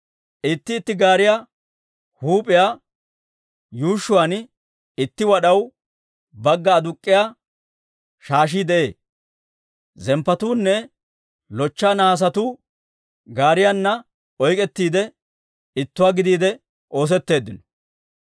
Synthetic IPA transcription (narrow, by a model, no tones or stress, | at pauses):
ʔɪt̪ːɪːt̪ːɪɡaːɾɪjaː | huːpʼɪjaː | juːʃːʊwan | ɪt̪ːɪwɐɗɐw | bɐɡːɐːd̪ʊkʼːɪjaː | ʃaːʃ̬iːd̪ɛʔe̞̰ː | zɛmpːɐt̪uːnːɛ | lɔt͡ʃːaːnaːs̬ɐt̪uː | ɡaːɾɪjaːnːɐ | ɔjkʼɛt̪ːiːd̪ɛ | ɪt̪ːʊwaːɡɪd̪iːd̪ɛ | ʔo̞ːs̬ɛt̪ːe̞ːd̪ːɪnɔ̥